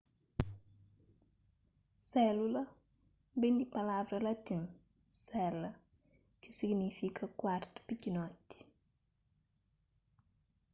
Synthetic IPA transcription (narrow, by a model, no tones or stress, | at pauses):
sɛlula | bendipalavɾɐlatɪm | sɛlːa | kisiɡnifikʰakwartpikinɔti̥